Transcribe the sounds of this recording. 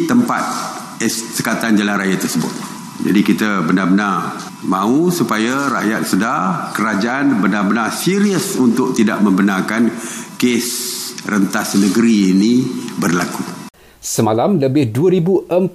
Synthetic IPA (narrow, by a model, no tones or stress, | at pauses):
t̪əmpa̰t̪̚ | əssəkat̪and͡ʒalanɾajat̪ərsəbʊ̰t̪̚ | d͡ʒa̰dikit̪əbənabənar | mãusupajaɾa̰ʔjat̪̚sədakəɾad͡ʒaʔanbənabənasiɾiəsunt̪ʊk̚t̪ida̰ʔ̚mə̃mbənarkankesrənt̪asnəɡəɾiːnibərlaku | səmalamləbɪhduəɾibuʔəm